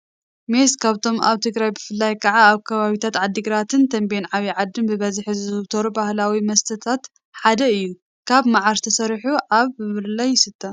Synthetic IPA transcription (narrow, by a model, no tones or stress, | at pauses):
meskʰaβt̪ʰo̞ma̰βt̪ʰɨɡɾajbɨfɨlːajkʰɐʕaːβkʰɐβaβit̪ʰat̪ʕad̪ːiɡɾat̪ʰɨnt̪ʰɐmbenʕaβiʕad̪ːɨmbɨβɐzħizɨɨβt̪ʰoɾubahlawimɐst̪ʰɐt̪ʰat̪ | ħad̪ɐɨjːu | kʰaβmaʕaɾt̪ʰɐsɐɾħuʔaβːɨβɨllɐjɪsɨt̪ʰːɐ